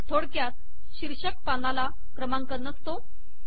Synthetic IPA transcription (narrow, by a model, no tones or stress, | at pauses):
t̪ʰoɽkjat̪ | ɕiɾɕək̚panala | kɾəmãŋkəɾnəst̪o